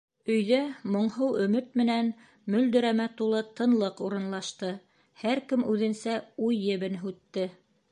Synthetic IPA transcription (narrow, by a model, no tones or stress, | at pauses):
ɵ̆jðæmŏɴɦɤwɵ̆mɵt̪̚mɘ̆næn | mɵ̆ld̪ɵ̆ɾæmæt̪ulˠɤt̪ɤ̆nlˠɤquɾɤ̆nlˠɑʃt̪ɤ | hæɾkɘmʉðɘ̆nsæujːɘ̆βɘnɦʉt̪ːɘ